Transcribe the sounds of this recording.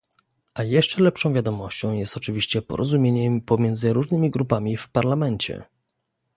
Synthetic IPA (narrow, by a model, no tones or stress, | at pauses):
ʔajɛʂt͡ʂɛlɛpʂɔ̃w̃vʲjad̪ɔmɔɕt͡ɕɔ̃w̃jɛst̪ɔt͡ʂɘvʲiɕt͡ɕɛpɔ̰ɾʔɔzumʲjeɲɛpɔmʲjɛnd̪zɘɾuʐnɘmʲiɡɾupamʲifpaɾlamɛɲt͡ɕɛ̰